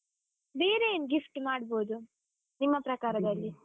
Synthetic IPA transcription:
beːɾenɡifʈmaːɖbo̞ːd̪u | nimːɐpɾɐkaːɾɐd̪ɐlːi

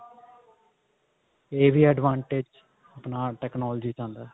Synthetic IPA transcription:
eːʋiːəɖʋãːɳʈeːd͡ʒ | əpnaːʈɛːknɔːld͡ʒiːt͡ʃãːnd̪aː

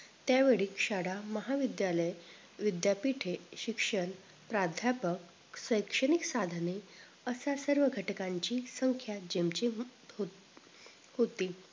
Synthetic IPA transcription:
t̪jaʋeɭiːkʂaɽaməɦaʋid̪jaləj | ʋid̪japiʈʰeɕikʂən | pɾad̪ʱjapək̚ | səjkʂəɽiksad̪ʱəne | əsasəɾʋəɡʱəʈkaɲt͡ɕiːsəŋkʰjad͡ʑemt͡ɕiɦo | hot̪iː

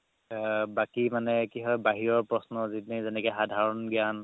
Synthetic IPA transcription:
bakimanɛkiɦɔjbaɦiɹɔɹpɹɔsnɔzitnezɛnɛkɔxadʱaɹɔnɡjan

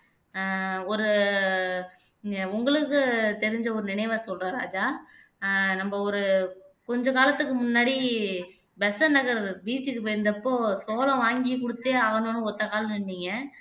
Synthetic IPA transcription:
ɔɾɯ | ʊŋɡɐɭɯkːɯt̪ɛɾɪɲd͡ʒɐɔɾɯnɪnɐɪʋasɔlraɾa̰ːd͡ʒaː | nɐmbɐɔɾɯkɔɲd͡ʒɔ̃kaːlɐt̪ːɯkːɯmʊnːaːɽi | bɛsɐnɐɣɐɾbiːt͡ʃːɯkːɯpɐɾnd̪ɐpːoːsoːlɐ̃ʋaːŋɡikʊɽɯt̪ːeːaːɣɐnõːnɯ̃ɔt̪ːɐkaːlɪnːiŋɡɐ

